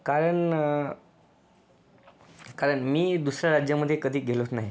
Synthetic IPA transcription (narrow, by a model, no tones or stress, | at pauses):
kaɾəɳ | kaɾəɳmiːd̪usɾjaɾad͡ʑjəməd̪ʱːjekəd̪ʱiːɡʱelot̪naɦi